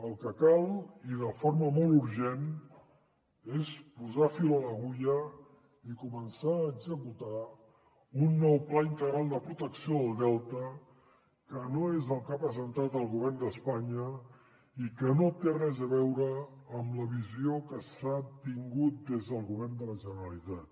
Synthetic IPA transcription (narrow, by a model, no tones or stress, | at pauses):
əlˠkəkalˠiðəfoɾməmɔlˠuɾʒen | espuzafilələɣuʎə | ikumənsaːɡzəkut̪a | unːɔwplaint̪əɣɾalˠd̪əpɾut̪əksioðəlˠd̪ɛlˠt̪ə | kənoezəlˠkapɾəzənt̪at̪əlˠɣuβɛrnd̪əspaɲə | ikənot̪erɛzəβɛwɾəːmləβiziokəsat̪iŋɡut̪̚d̪ezðəlˠɣuβ̞ɛrnd̪ələʒənəɾəlit̪at̪̚